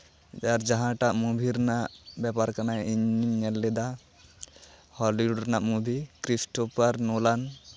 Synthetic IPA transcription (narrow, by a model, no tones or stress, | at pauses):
aɾd͡ʒaɦãʈaʔmubʱiɾnaʔbɛpaɾkanajiɲimɲɛlːɛd̪a | hɔliuɖɾnaʔmubʱikɾisʈɔpaɾnɔlan